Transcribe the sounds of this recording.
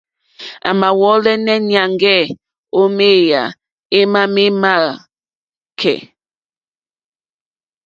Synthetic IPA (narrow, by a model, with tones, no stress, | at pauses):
a̰˨ma˨wɔ˨˦lɛ˦nɛ˦nja˨ŋɡɛ˦˨ | o˦me˦ja̰˨ | e˦ma˦me˦ma˦˨ | kʰɛ̰˨